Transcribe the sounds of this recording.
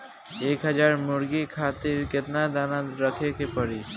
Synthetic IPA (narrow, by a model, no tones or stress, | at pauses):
eːkɦəd͡ʒaːɾmʊɾɡikʰaːt̪ɪɾkɪt̪nad̪aːnaɾəkʰekepəɾi